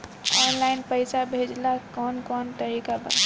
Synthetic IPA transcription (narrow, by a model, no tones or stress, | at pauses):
ɔnlaɪnpəɪsabʱed͡ʒlakɔnkɔnt̪əɾikabə̰